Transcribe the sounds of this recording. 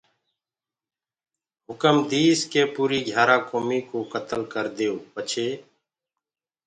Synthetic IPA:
ɦʊkəmd̪iːskeːpuːɾiːɡʱjaːɾãːkoːmiːkoːkət̪əlkəɾd̪eːoːpət͡ʃʰeː

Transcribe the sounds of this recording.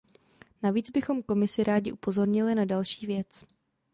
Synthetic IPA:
naviːd͡zbɪxo̞mko̞mɪsɪɾaːɟɪʔupo̞zo̞ɾɲɪlɪnadalʃiːvjɛt͡s

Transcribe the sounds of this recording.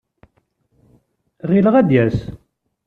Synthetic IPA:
ʁiləʁæd̪jæs

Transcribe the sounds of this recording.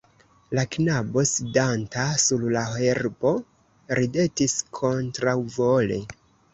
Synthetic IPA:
laknabo̞sidantasuɾlaheɾbo̞ | ɾʔide̞tiskʰo̞ntɾawvole̞̰

